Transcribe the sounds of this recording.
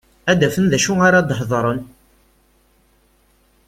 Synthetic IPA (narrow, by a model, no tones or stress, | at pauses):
æd̪æfənðæʃuaɾad̪ˤħðˤɾˤən